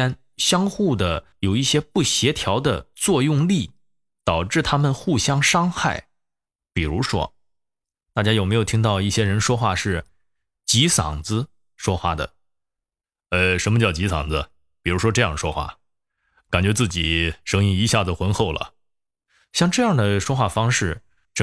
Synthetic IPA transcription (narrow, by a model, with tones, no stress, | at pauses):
a˥˧n | ɕjɑ˥ŋxu˥˩d̪ə˩jo˨˩ʊi˥˩ɕjɛ˥pu˥˩ɕjɛ˧˥t̪ʰjɑ˧˥ʊd̪ə˧t͡swɔ˥˧jʊ˥˧ŋli˥˩ | t̪ɑ˨˩ʊʈ͡ʂɻ̩˥˩t̪ʰa˥mə˨nxu˥˩ɕjɑ˥ŋʂɑ˥ŋxa˥˩ɪ | pi˨˩ɻu˧˥ʂwɔ̰˥ | t̪a˥˩t͡ɕja˥jo˨˩ʊme˧˥ɪjt̪ʰi˥ŋt̪ɑ˥˧ʊi˥˩ɕjɛ˥ɻə˧˥nʂwɔ˥xwa˥˧ʂɻ̩˥˩ | t͡ɕi˧˥sɑ̰˨˩ŋd͡zɹ̩˧ | ʂwɔ˥xwa̰˥˩d̪ə̰˩ | ə˧ʂə˧˥nmə˧t͡ɕjɑ˥˩ʊt͡ɕi˧˥sɑ̰˨˩ŋd͡z̩˧ | pi˨˩ɻu˧˥ʂwɔ˥ʈ͡ʂɤ˥˧jɑ˥˩ŋʂwɔ˥xwa̰˥˩ | ka˨˩nt͡ɕɥɛ˧˥t͡sɹ̩˥˩t͡ɕi˨˩ʂɤ˧˥ŋi˥˩i˧˥ɕja˥˩d͡zə˩xwə˧˥nxo˥˩ʊlə̰˩ | ɕjɑ˥˧ŋʈ͡ʂɤ˥˧jɑ˥˩ŋd̪ə˩ʂwɔ˥xwa˥˩fɑ˥ŋʂɻ̩˥˩ | ʈ͡ʂ